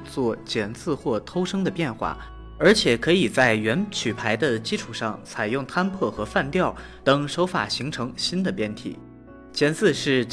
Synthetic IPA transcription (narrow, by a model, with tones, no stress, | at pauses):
t͡swɔ˥˩t͡ɕjɛ˨˩nt͡sɹ̩˥˧xwɔ˥˩t̪ʰo˥ʊʂɤ˥ŋd̪ə˨pjɛ˥˧nxwa̰˥˩ | ə˞˧˥t͡ɕʰjɛ˨˩kʰɤ˧˥i˨˩t͡sa˥˩ɪɥɛ˧˥nt͡ɕʰy˨˩pʰa˧˥ɪd̪ə˧t͡ɕi˥ʈ͡ʂʰu˨˩ʂɑ˥˩ŋt͡sʰa˨˩ɪjʊ˥˩ŋt̪ʰa˥npʰɤ˥˩xɤ˧˥fa˥˧nt̪jɑ˥˩ʊ | t̪ɤ˨˩ŋʂo˧˥ʊfa̰˨˩ɕi˧˥ŋʈ͡ʂʰɤ˧˥ŋɕi˥nd̪ə˨pjɛ˥˩nt̪ʰḭ˨˩˦ | t͡ɕjɛ˨˩nt͡sɹ̩˥˧ʂɻ̩˥˩